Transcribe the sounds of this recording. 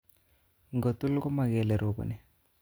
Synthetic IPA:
ŋɡo˨t̪u˦lkɔ˦ma˨kɛ˨lɛ˨ɾo˨kɔ̰˨nɛ˨

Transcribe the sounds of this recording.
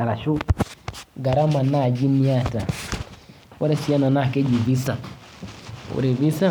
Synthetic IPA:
a˨ɾa˨ʃu˦ | ɡa˨ɾa˦ma˨na˦˨d͡ʒi˦ni˦a˦˨ta˨ | wa˦ɾe˦si˦a˦na˨na˦˨ke˦d͡ʒi˨vi˦sa˨ | ṵ˨ɾe˨vi˦sa˦˨

